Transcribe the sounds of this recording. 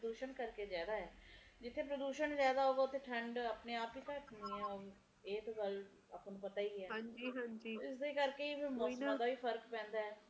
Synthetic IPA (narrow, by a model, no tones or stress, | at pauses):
d̪uːʃənkəɾkeːzaːd̪aːɛːd͡ʒɪt̪ʰːeːpɾəd̪uːʃənzjaːd̪aːɦoːɡaːʊt̪ʰːeːʈʰəɳɖəpneːaːpiːkaːʈniːɛɔːɾ | eːt̪okəl | əpːnũːpət̪aːiːɦɛːãd͡ʒiːɦãd͡ʒiːɪsd̪eːkəɾkeːiːpʰɪɾmɔːmãd̪aːiːpʰəɾkpɛ̃ːnd̪aːɛː